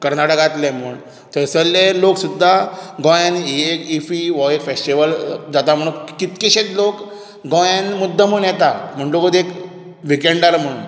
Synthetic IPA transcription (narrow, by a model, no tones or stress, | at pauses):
kəɾnaʈəkat̪lem̤uːɳ | t̪əsəlːeloksud̪ʱːaɡɔ̃janekifiʋɔekfesʈiʋəld͡zat̪am̤əɽunkit̪keɕet͡slok | ɡɔ̃janmud̪ʱːəm̤uɳjɛt̪am̤əɳʈokod̪ek | ʋikeɳɖəɾm̤əɽun